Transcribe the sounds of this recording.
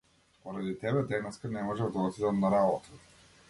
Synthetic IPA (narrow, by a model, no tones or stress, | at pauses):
pɔɾad̪it̪ɛbɛd̪ɛnɛskanɛmɔʒɛvd̪ɔt̪id̪anaɾabɔt̪ʰḁ